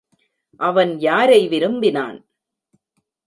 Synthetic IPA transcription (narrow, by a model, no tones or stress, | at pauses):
ʔɐʋɐnjaːɾɐɪʋɪɾɯmbɪna̰ːn